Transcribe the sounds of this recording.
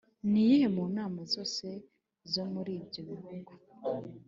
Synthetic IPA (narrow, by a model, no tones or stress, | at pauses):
nijehemuːnaːmazo̞ːse̞ | zo̞muɾiːbɟoβihuːŋɡo